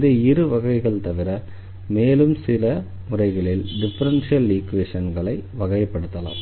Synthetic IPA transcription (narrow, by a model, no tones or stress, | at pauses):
ðeɪɾɯʋɐɣɐɪɣɐɭt̪ɐʋɪɾɐ | meːlɯmsɪlɐ | mʊrɐɪɣɐɭɪlɖɪfɐɾɐnʂijɐlːiːkʋeːʂɐnɡɐɭɐɪʋɐɣɐjɐpːɐɽɯt̪ːɐla̰ːm